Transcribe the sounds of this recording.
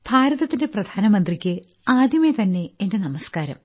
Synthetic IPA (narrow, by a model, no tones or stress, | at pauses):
b̥ʱaːɾɐðɐt̪ːinde̞prɐd̪ʱaːnɐmɐnd̪rikʲːɨ | aːd̪jɐmet̪ɐnːe̞ende̞nɐmɐskaːɾɐ̰m